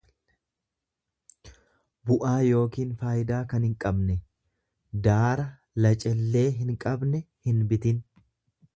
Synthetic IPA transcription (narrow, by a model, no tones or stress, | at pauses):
bʊʔaːjo̞ːkiːnfaːjɪd̪aːkɐnhɪŋkʼɐbnɛ | d̪aːɾɐ | lɐt͡ʃʼɛlːe̞ːɦɪŋkʼɐbnɛ | hɪnbɪt̪ɪn